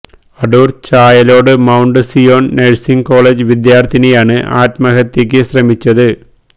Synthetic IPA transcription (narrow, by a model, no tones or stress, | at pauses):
ɐɖuːrt͡ɕaːjɐlo̞ːɽɨmɐwɳɖɨsijo̞ːnneɻsiŋko̞ːɭeːd͡ʑɨʋid̪jaːrt̪ʰinejaːɳɨʔa̰ːtmɐɣɐt̪ːeːk̬ʲːɨɕrɐmit͡ɕːɐðɨ